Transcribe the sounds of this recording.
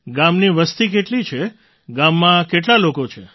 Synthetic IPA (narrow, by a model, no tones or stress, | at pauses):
ɡamniʋəst̪ik̬eʈlit͡ʃʰe | ɡamːãkeʈ̬lalokot͡ʃʰe